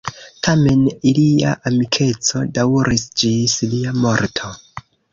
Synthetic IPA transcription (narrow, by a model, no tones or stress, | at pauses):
tʰame̞nilia̰ʔamikʰe̞t͡so̞dauɾisd͡ʒisliamo̞ɾtʰo̞